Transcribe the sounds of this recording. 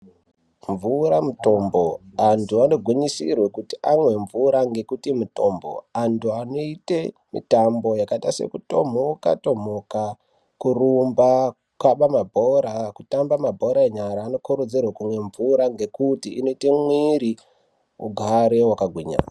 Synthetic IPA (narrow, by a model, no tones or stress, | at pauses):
ɱvuɾamuto̞mbo̞antuano̞ɡʱwiɲisḭrwe̞kutiʔamwe̞ɱvuɾaŋɡe̞kutimuto̞mbo̞̰antʰuano̞ite | mḭtambo̞jakaitase̞̰kuto̞m̤oka̰to̞m̤oka | kurumba | kwaɓamabʱoɾakutambamabʱo̞ɾaeɲaɾaːno̞kuɾud͡zirwekumwe̞ɱvuɾaŋɡe̞kutiːno̞itemwiɾi | ṵɡʱaɾewakaɡʱwiɲa̰ːna